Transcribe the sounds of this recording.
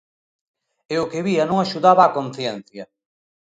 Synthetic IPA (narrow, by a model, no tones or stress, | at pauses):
eʊkɪβiɐnõŋaʃuðaβaːkon̟θjɛn̟θjɐ